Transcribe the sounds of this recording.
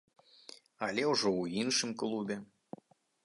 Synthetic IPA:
ɐlʲɛwʐɔwinʂɨmklˠubʲɛ

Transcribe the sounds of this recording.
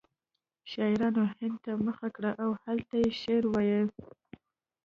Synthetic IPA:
ʃɑɪɾɑnohɪnd̪̚t̪aməxakɽaʔawhalt̪ajeʃeɾwɑjəl

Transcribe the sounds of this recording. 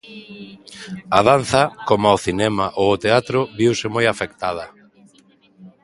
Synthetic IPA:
aðan̟θɐkomaʊθinɛmaʔoːt̪eat̪ɾʊβiwsɪmojafekt̪að̞ɐ

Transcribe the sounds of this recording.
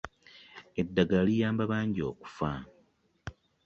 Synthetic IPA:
e̞dːaɡalijaːmbaβaːɲɟio̞̰ːku̥fa

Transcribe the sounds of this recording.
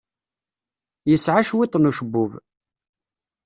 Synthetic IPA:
jəsʕaʃwɪt̪ˤːnuʃəbːʊv

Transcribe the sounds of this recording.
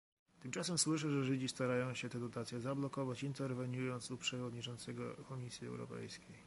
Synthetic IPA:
t̪ɘmt͡ʂasɛmswɘʂɛʐɛʐɘd͡ʑist̪aɾajɔ̃w̃ɕɛt̪ɛd̪ɔt̪at̪sʲjɛzablɔkɔvat͡ɕint̪ɛɾvɛɲujɔnt̪supʂɛvɔd̪ɲit͡ʂɔnt̪sɛɡɔkɔmʲisʲjiɛ̰wɾɔ̰pɛ̰jskʲej

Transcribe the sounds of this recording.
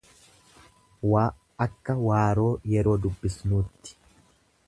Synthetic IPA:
wa | ɐkːɐwaːɾo̞ːjɛɾo̞ːd̪ʊbːɪsnuːt̪ːɪ̥

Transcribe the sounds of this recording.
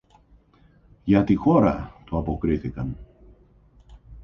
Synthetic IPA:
ʝɐt̪ixo̞ɾɐ̰t̪uɐpokɾiθikɐn

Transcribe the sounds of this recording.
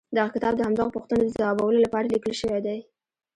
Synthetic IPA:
d̪aɣakɪt̪ɑb̚d̪əhamd̪ɑɣapuxt̪ənod̪əzawɑbawəlolapɑɾalikəlʃəwed̪aj

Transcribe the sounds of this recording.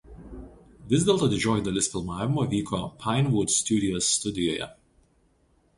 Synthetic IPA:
ʋʲɪzʲd̪ʲɛlˠt̪oːd̪ʲɪd͡ʒʲoːjiˑd̪ɐlʲɪsfʲɪlˠmɑːʋʲɪmoʋʲiːkoːpʰɑɪnʋʊd̪sʲt̪ʲud̪ʲɪɔsːt̪ʊd̪ʲɪjoːjɛ̰

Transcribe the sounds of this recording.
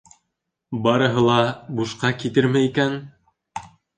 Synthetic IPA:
bɑɾɤ̆ɦɤlˠɑbuʃqɑkit̪ɘɾmæikæn

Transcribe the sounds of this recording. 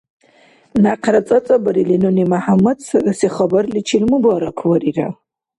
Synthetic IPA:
naqʰrɐt͡sʼɐt͡sʼɐbɐɾilinunimaħamɐdsrɨsiχɐbɐrlit͡ʃʰilmɨbaɾɐkʰwɐrira

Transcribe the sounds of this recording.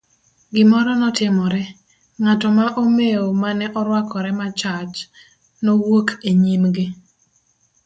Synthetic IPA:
ɡɪmɔɾɔnɔtɪmɔɾɛ | ŋatɔmaʔomeomanɛʔɔɾwakɔɾɛmat͡ʃat͡ʃ | nowokʰeɲimɡɪ

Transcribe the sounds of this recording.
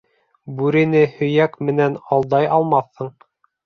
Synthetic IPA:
bʉɾɘ̆nɘhɵ̆jækmɘ̆nænɑlˠd̪ɑjɑlˠmɑθːɤɴ

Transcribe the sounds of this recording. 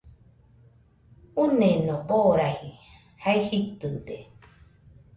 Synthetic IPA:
unẽnõboɾahi | haihit̪ɨd̪e

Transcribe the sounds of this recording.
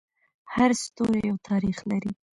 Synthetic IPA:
haɾst̪oɾejawt̪ʰɑɾixlaɾi

